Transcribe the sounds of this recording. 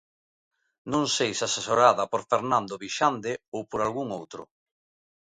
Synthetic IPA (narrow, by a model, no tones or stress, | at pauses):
nõŋsejsasesoɾaðɐpoɾfeɾnãnd̪oβiʃand̪eowpoɾalɣuŋowt̪ɾʊ̰